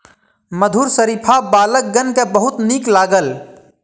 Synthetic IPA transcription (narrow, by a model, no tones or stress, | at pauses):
məd̪ʱuːɾsəɾipʰabaːlək̚ɡənkebəɦʊt̪niːklaːɡəl